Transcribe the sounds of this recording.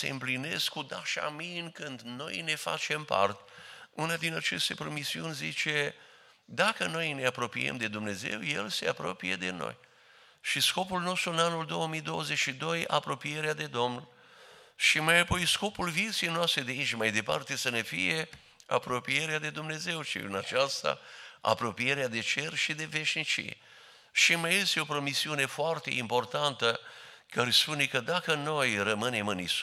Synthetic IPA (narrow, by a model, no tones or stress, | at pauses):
se̞̰ɨmpline̞skːud̪aʃa̰miɨŋkɨnd̪no̞̰jne̞fa̰t͡ʃe̞mpa̰rt̪unad̪inat͡ʃe̞st̪e̞pɾomisiunʲzit͡ʃe̞ | d̪akəno̞jne̞apɾo̞pḭjḛmd̪e̞d̪umne̞ze̞̰wje̞̰lse̞apɾo̞̰pije̞̰d̪e̞̰no̰j | ʃisko̞pulno̞st̪ɾuɨnanuld̪o̞wəmijd̪o̞wəze̞t͡ʃʲʃid̪o̞japɾo̞pije̞ɾead̪e̞d̪o̞mn | ʃimajapo̞jsko̞pulvit̪siejnoast̪ɾed̪eiʃmajd̪e̞pa̰rt̪e̞səne̞fḭje̞ | a̰pɾo̞pije̞ɾead̪e̞d̪umne̞ze̞wʃḭɨ̰nat͡ʃast̪a̰a̰pɾo̞pije̞ɾead̪e̞t͡ʃe̞rʃid̪e̞ve̞ʃnit͡ʃḭḛ | ʃimajest̪eo̞pɾo̞misiune̞foart̪e̞̰impo̞rt̪ant̪ə | kaɾespune̞kəd̪akəno̞jrəmɨne̞mɨnis